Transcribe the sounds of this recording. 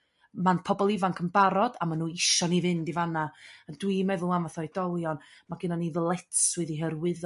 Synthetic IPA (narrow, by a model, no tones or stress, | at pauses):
manpʰɔbɔlˠɪvankʰəmbaɾɔd̥amanuːɪʃɔniðɨndivanaəndwimɛðʊlˠanvaθɔid̥ɔlˠjɔnmaɡɪnaniðəlˠɛtswɛðiɦərwɪð